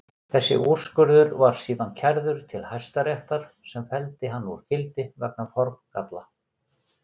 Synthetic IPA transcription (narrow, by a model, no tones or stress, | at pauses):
θɛsːɪ̰ʔuɾ̥skʏɾðʏɾvaɾ̥siːðancʰaɾðʏɾ̥t̪ʰɪlhajst̪aɾjɛht̪aɾ̥ | sɛmfɛlt̪ɪɦanːɔɾ̥cɪlt̪ɪvɛ̰k̚nafɔɾmka̰t̪la